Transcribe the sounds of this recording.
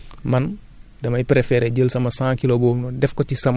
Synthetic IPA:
mɐn | dɐmɐjpɾɛfɛɾɛɟəlsɐmɐsãːkilobɔːmnɔdɛfkɔtisɐm

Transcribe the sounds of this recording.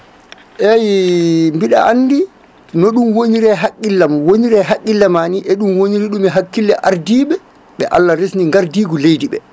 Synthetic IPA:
ʔɛjmbiɗa̰ʔanːdi | nɔɗumwoɲiɾɛɦakʼːilːamwoɲiɾɛɦakʼːilːamaniʔɛɗumwoɲiɾiɗumɛɦakːilːɛʔaɾdiːɓɛ | ɓɛ̰ʔa̰lːaɾesniŋɡaɾdiːɡɔlejdiɓɛ̰

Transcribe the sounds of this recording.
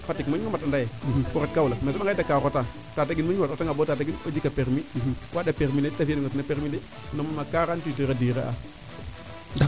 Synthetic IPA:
fatikmaɲumatandajekuɾat̚kaulamesoaŋɡadakaːɣota | tat̬aɡinmmattaŋɡabotat̬aɡinod͡ʒikapeɾmiwʔadapeɾminetafinuŋɡatinapeɾmide | nomumakaɣantitiɾadiɾeʔa̰ | d

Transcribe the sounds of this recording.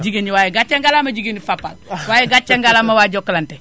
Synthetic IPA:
d͡ʒiɡeniwajɛɡat͡ʃeŋɡalamaɟiɡenifapa̰lwajeɡat͡ʃːaŋɡalamawaɟokːlante

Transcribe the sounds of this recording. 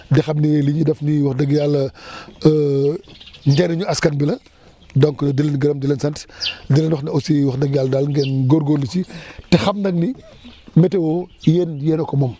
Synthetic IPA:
dɛxɐmniliɲudɐfniwɐxdɐɡjalɐ | ɲɡɛnɐɲuɐskɐnbilɐ | dɔŋkdilɐnɡɐɾɐmdilɐnsɐntdilɐnwɐxnɐosiwɐxdɐɡjaldalŋɡɛnɡɔɾɡɔːlːit͡ʃitɛxɐmnɐŋni | mɛtɛwɔjeːnjɛːnɔkɔmɔm

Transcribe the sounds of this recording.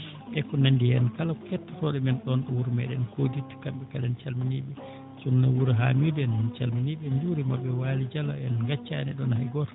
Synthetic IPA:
ʔɛkːɔnandijɛnkalakɛtːatɔɗɛmɛnɗɔnɗɔwuɾmɛ̰ɗɛnkoditi̥kamɓɛkalɛnt͡ʃalminiɓɛ | t͡ʃunːawuɾɦa̰midɛnt͡ʃa̰lminiɓɛnd͡ʒuɾimabɛwalid͡ʒala̰ɛnɡat͡ʃːa̰nɛ̰ɗɔnhaɡɔɾ

